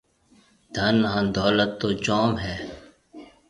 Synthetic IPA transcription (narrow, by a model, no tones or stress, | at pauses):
d̪ʱənːɦãːnd̪ɔːlət̪ːoːd͡ʒɔːmɦɛː